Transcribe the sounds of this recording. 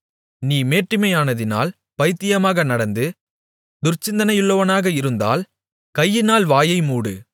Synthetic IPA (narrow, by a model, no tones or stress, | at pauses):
niːmeːʈrɪmɐjaːnɐðɪna̰ːl | pɐjɪt̪ːɪjɐmaːɣɐnɐɽɐnd̪ɯ | d̪ʊɾt͡ʃːɪnd̪ɐnɐjɯɭːɐʋɐnaːɣɐɪɾɯnd̪a̰ːl | kɐjːɪnaːlʋaːjɐɪmuːɽɯ̰